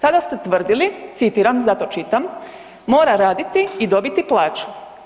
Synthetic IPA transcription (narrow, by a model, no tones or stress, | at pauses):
k̪ad̪ast̪e̞t̪ʋr̩d̪ilit̪sit̪iːɾamzat̪o̞t͡ʃit̪amː | o̞ːɾaɾaːd̪it̪iid̪o̞bit̪iplˠaːt͡ʃu̥